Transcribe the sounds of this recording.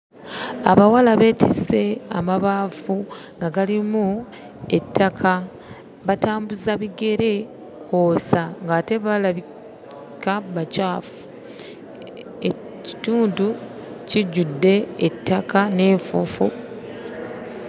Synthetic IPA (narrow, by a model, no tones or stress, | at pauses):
a̰βawalaβe̞ːtʰise̞a̰maβaːfu | ŋɡaɡalimu | etːakʰa | βataːmbuzaβiɡe̞ɾe̞ | kʰo̞ːsaŋɡaːte̞βalaβi | kaβacaːfu̥ | e | ci̥tuːnduciɟudːe̞ːtʰːakane̞ːɱfufṵ